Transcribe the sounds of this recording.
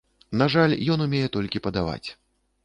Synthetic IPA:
naʐalʲjɔnumʲejɛt̪ɔlʲkʲipɐd̪ava̰t͡sʲ

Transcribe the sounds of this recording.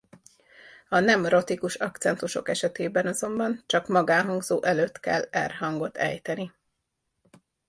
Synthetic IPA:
ɒnɛmro̞t̪ikuʃɒkt̪sɛnt̪uʃo̞̰kɛʃɛt̪eːbɛnɒzo̞mbɒnt͡ʃɒkmɒɡaːɦɒŋɡzoːʔɛløːt̪kɛlːɛ̰rɦɒŋɡo̞t̪ʰɛ̰jt̪ɛni

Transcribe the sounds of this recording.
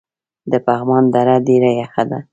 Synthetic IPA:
d̪əpaɣmɑnd̪aɾadeɾajaxad̪a̰

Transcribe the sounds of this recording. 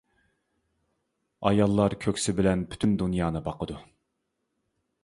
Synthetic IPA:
ɑ̰jɑlˠːɑɾkʲʰøkʲsɪbɪlɛnpʰy̥t̪ʰynd̪unjɑːnɨbɑqʰəd̪u

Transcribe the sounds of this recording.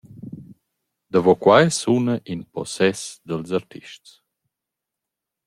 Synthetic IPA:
d̪əvɔkwajsunəʔinpɔ̰sɛsd̪əlzaɾt̪ʰiʃts

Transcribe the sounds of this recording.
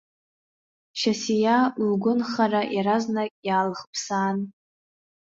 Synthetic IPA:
ʃasijalɡʷʊnχaraʔjaɾaznakʲʼjaːlχpʰsaːn

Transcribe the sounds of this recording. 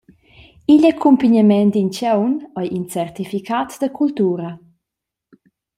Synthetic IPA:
iʎakʰumpiɲamɛnd̪int͡ʃɛwnɔjʔint͡sɛrt̪ifikʰat̪d̪əkʰult̪uːɾə

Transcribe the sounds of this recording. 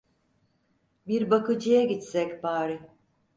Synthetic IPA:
biɾbakɯd͡ʒɯjaɟit̪sɛcbaːɾɪ

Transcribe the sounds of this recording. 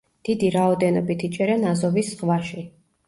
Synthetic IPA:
d̪̥id̪iɾaɔd̪ɛnɔbit̪ʰit͡ʃʼɛɾɛnazɔvisχvaʃi

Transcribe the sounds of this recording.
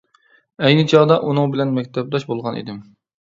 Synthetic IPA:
ɛjnɨt͡ʃʰɑʁd̪ɑʔunɨŋbɪlɛnmɛk̚ʲt̪ʰɛp̚d̪ɑʃbolˠʁɑnḭd̪ɪm

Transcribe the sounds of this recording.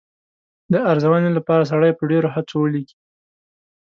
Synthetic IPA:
d̪əaɾzawanelapɑɾas̬aɽajpəɖeɾohat͡sowəliki̥

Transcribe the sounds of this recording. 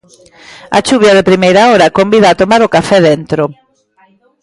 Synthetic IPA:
ɐ̰t͡ʃuβjɐðɪpɾimejɾaɔɾɐkombiðaːt̪omaɾʊkafɛðent̪ɾo

